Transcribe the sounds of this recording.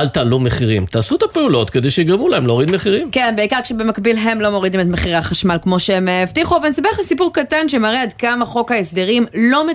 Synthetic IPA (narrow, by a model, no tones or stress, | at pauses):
alt̪aːlumeχiʁimt̪aːsuet̪apeulo̞t̪ked̪ejʃeiɡʁemulaemloːʁid̪meχiʁimkenbeikaʁkʃebemakbilɦe̞mlo̞mo̞ʁidimetmeχiʁaχaʃmalkmo̞ʃeemevtiχuavenisabeχesipuʁkatanʃemaʁead̪kamaχo̞khaesd̪eʁimlo̞me